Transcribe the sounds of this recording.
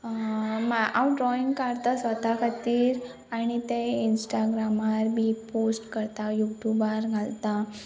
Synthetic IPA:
maawɖɾɔiŋɡkaɾt̪asʋət̪akʰət̪iːɾ | añit̪einsʈaɡɾamaɾbʱiposʈkəɾt̪ajuʈjubaɾɡʱalt̪a

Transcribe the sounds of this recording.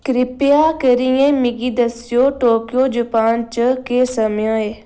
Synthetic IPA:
kɾɪpijakəɾiẽmɪɡid̪ɐsijoʈoːkjod͡ʒupaːnt͡ʃəkesɐmjə̃ɦeː

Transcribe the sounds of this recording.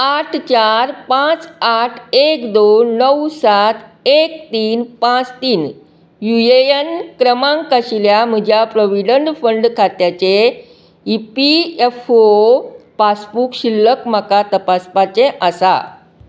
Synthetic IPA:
aʈʰt͡ɕaɾpãt͡saʈʰekd̪onəwsat̪ʰekt̪iːnpãt͡st̪iːn | jueənkɾəmãŋkəɕiljam̤əd͡ʑjapɾəʋiɖəɳɖfəɳɖkʰat̪jat͡ɕe | ipiefopasbuːkɕilːəkm̤akat̪əpaspat͡ɕẽʔəsa̰

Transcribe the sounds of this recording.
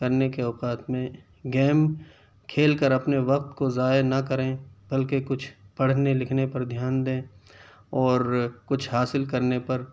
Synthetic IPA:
kɐɾnekeɔːqaːt̪mẽ | ɡɛːm | kʰeːlkəɾɐpneʋɐq̚t̪kozaːenɐkɐɾẽːbɐlkekʊt͡ʃʰpɐɽ̤nelɪkʰnepɐɾd̪ʱjaːnd̪ẽː | ɔːɾkʊt͡ʃʰhaːsɪlkɐɾnepɐɾ

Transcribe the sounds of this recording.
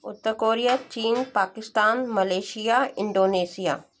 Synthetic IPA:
ʊt̪ːəɾkoːɾijat͡ʃiːnpaːkɪst̪aːnmɐleːʃijaːɪ̃ɳɖoːneːsija̰ː

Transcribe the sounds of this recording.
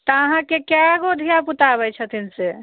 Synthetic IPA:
t̪əaɦãkekaɡod̪ʱijaput̪abɛt͡ʃʰət̪ʰinse

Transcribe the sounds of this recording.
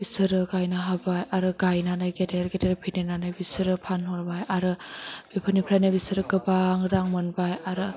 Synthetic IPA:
b̥isɯɾɯɡajnaɦabajaɾɯɡajnanajɡedeɾɡedeɾpʰinenanɯjbisɯɾɯpʰanɦɔɾbajaɾɯb̥epʰɯnipʰɾajnabisɯɾɯɡɯbaŋɾaŋmɯnbajaɾɯ

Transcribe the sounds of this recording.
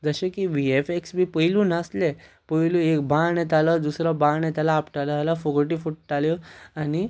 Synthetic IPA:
d͡zəɕẽkiʋiefeksbiːpəiluːnasle | pəɦilũekbaɳẽt̪̬alɔd̪usɾɔbaɳjɛt̪alaːpʈalat̪alafokəɾʈifuʈ̚ʈaljɔani

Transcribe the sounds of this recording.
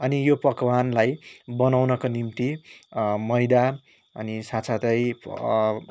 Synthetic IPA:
ʌnijopʌkwanlajbʌnawnʌkonimt̪i | mʌjd̪a | ʌnisasʰat̪ʌj

